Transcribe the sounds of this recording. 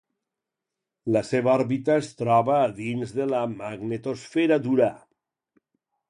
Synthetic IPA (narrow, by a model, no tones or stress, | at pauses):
laseβaaɾβit̪aest̪ɾɔβaːðinzðelamaɡnet̪osfeɾad̪uɾa